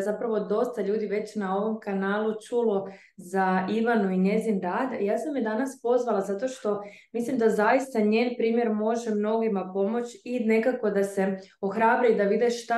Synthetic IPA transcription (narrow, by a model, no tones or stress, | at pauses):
zapɾaʋo̞d̪o̞st̪aʎuːd̪iʋe̞t͡ɕnao̞ʋo̞mkanaːlut͡ʃulo̞ | zaiʋanuiɲe̞zinɾaːd̪jaːsamjed̪anaspo̞zʋalˠazat̪o̞ʃt̪o̞mislimd̪azajist̪aɲe̞ːnpɾiːmje̞ɾmo̞ʒemno̞ɡimapo̞mo̞t͡ɕine̞kako̞d̪ase̞o̞xɾaːbɾaid̪aʋid̪eʃt̪a